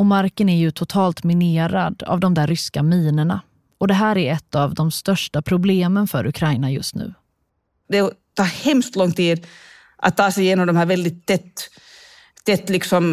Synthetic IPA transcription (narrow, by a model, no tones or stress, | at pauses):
ɔmaɾkənæɾjɵt̪ʰʊt̪ʰɑːlt̪mɪneːɾad̪a̰vd̪ɔmd̪æɾːʏskamiːnəɳa̰ | ɔd̪ɛɦæːɾæɾɛt̪ːavd̪ɔmst̪œʂʈapʰɾʊbleːmənfœɾʔɵ̰kʰɾajnajɵ̰st̪nʉ̟̰ː | d̪ɛt̪ʰɑːhɛmst̪lɔŋt̪ʰiːd̪ | ʔa̰t̪ʰːɑːsɛɪjeːnɔmd̪ɔmhæːɾvɛld̪ɪt̪ʰːɛt̪ː | t̪ːɛt̪ːlɪksɔm